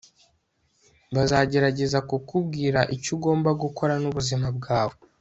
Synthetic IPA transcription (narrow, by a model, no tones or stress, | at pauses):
βazaɟe̞ɾaɟe̞zakukubɡiːɾaʔicuɡo̞ːmbaɡuko̞ɾanuβuzimab̚ɡaːβo̞